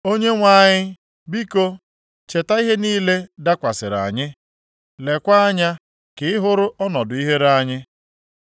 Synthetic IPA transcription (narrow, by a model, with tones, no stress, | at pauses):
o˦ɲe˦ŋʷa˦˨ɲɪ˦ | bi˦ko˦ | t͡ʃe˨ta˦i˦ɦe˦niː˦le˦da˦kʷa˨sɪ̰˨ɾa̰˨ɲɪ˦ | le˨kʷa˦a˦ɲa˦ | kɪ˨ɪ˦ɦʊ˦ɾʊ˦ʔɔ˦nɔ˨dʊ˨i˦ɦe˦ɾa˦ɲɪ˦